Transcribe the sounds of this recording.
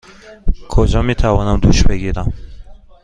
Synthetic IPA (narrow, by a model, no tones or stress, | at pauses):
kʰɔd͡ʒɔmit̪ʰavɔnamd̪ṵʃbeɡiɾam